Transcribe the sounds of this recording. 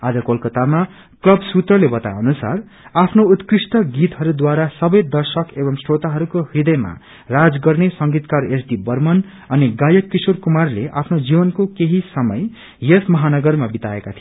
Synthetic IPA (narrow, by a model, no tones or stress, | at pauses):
ad͡zʌkolkʌt̪ama | klʌbsut̪rʌlebʌt̪a̰ʌnusa̰r | apʰnout̪krisʈ̪ʌɡit̪ɦʌɾud̪waɾasʌbʌjd̪ʌrsʌkebʌmsrot̪aɦʌɾukohid̪ʌjma̰ | rad͡zɡʌrnesʌŋɡit̪karesdibʌrmʌn | ʌniɡajʌkːisorkumarleʔa̰pʰnod͡zibʌnkokeɦisʌmʌ̰j | jesmʌɦanʌɡʌrmabit̪aekat̪ʰij